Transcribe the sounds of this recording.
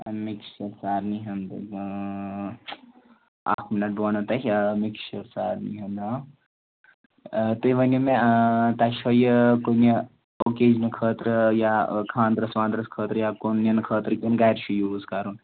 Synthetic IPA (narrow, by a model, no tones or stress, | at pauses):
miksɐɾsaːɾniɦɐnd̪ɨ̰ | a̰ːtʰminɐʈ̚bʋɐnɐt̪ɐɦʲmikʃɐɾsaːɾnḭɦɐnɐ | t̪uiʋɐnjɐmet̪ɐʃojəkonɐ | okeːd͡ʒnɨkʰəːt̪ɾɨjakʰãːnd̪ɾɐsʋãːnd̪ɾɐskʰəːt̪ɾjakonjɐnɨkʰəːt̪ɾɨkʲinɡaiɾʃʰujuːzkaɾun